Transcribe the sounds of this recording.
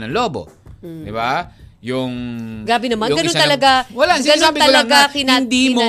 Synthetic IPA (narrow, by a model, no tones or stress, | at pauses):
nɐŋloːbo̰d̪ɪbajʊŋɡɾaːbɪnɐmanɡɐnont̪ɐlɐɡawɐlasɡɐnonbɪt̪ɐlɐɡakɪnaɪnd̪iːm